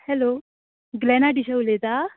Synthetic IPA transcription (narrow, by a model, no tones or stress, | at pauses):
hɛlo | ɡlɛnaʈiɕəwlet̪a